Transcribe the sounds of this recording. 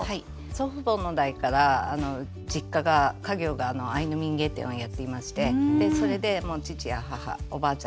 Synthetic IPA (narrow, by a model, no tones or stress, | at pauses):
hai | soɸɯ̟bo̞ːnːo̞d̪aikaɾaːno̞ | d͡ʑikːaɡakaɡʲo̞ːɡaːno̞ainomʲĩŋɡe̞ːt̪ḛ̃ojat̪ːe̞imaɕi̥t̪e̞d̪e̞so̞ɾe̞d̪e̞mo̞ːt͡ɕit͡ɕijaɦaha̰obaːt͡ɕã